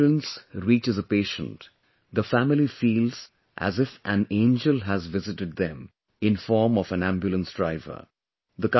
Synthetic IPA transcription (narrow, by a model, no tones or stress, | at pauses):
lə̃nsɾiːt͡ʃɨzəpeːʃə̃nt | d̪əfæmɪlifiːlz̥ | ʔæ̰zɪfʔæ̃nẽːnd͡ʒəlɦæzʋɪzɪʈɨɖ̪̚d̪ɛ̃m | ɪ̃nfɔːɾmɔvæ̃næ̃mbjulə̃nsdɾaɪvə̰˞ | d̪ək